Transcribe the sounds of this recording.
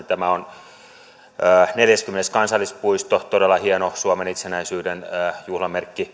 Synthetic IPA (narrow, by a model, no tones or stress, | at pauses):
t̪æmæon | əːneljæskymːeneskɑnsɑlːˑispuist̪ot̪odelːɑhienosuomenit̪senæisyːdenəːjuhlɑmerkːi